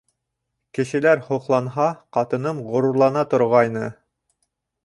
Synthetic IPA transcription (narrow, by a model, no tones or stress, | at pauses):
kɘ̆ʃɘ̆læɾhŏqlˠɑnɦɑqɑt̪ɤ̆nɤmʁŏɾŭɾlˠɑnɑt̪ŏɾʁɑjnɤ